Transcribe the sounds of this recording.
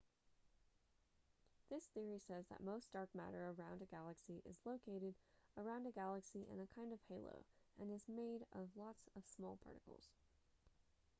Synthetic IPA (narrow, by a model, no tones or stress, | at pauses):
ðɪsθɪɹisɛzðə̰t̚moʊsd̥ɑɹk̚mæ̰ɾə̰˞ə˞ãʊ̃ndɨɡælˠəksiʔɨ̰zloʊkʰeɪɾɨɾə˞ãʊ̃ndɨɡælˠəksiʔɪ̰̃nɨkʰãɪ̃ndʌv̥heɪlˠo̰ʊɨ̃nɨzmeɪɾʌvlɑtsʌv̥smɔ̰lˠpʰɑ̰ɹɾɨkl̩ˠz̥